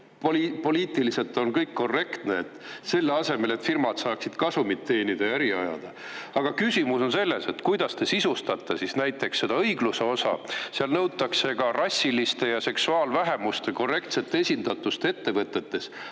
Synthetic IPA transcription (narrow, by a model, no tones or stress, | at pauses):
polipo̞liːt̪ˑilise̞lt̪ːˑo̞nkɤjkːo̞re̞kt̪ne̞ːt̪ːse̞lːɑse̞me̞le̞t̪firmɑd̪̥sɑːksid̪̥kɑsumit̪ːe̞ːnʲid̪ɑjɑæɾiɑ̰jɑ̰d̪̥ɑ | ɑɡ̥ɑkysʲimuso̞nse̞lːe̞se̞t̪kujd̪̥ɑst̪e̞sisust̪ɑt̪ːˑesisnæjt̪ːˑe̞ksːe̞d̪ɑɤjɡ̥luse̞o̞sɑ̰seɑlnɤwt̪ːˑɑkse̞ɡ̥ɑrɑsʲːilist̪e̞jɑse̞ksuɑːlvæɦemust̪e̞ko̞re̞kt̪se̞t̪ːˑeesʲind̪̥ɑt̪ːˑust̪ee̞t̪ːe̞vɤt̪ːˑe̞t̪ːe̞s